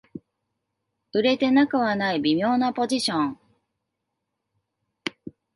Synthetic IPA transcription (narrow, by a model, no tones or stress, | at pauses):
ɯ̟ɾe̞t̪e̞nakɯ̟βanaibʲimʲo̞ːnapo̞ʑiɕõŋ